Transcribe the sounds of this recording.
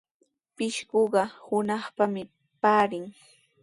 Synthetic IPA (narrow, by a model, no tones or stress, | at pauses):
pɪʃɢoɢɑhʊnɑχpamɪ | paːɾɪŋ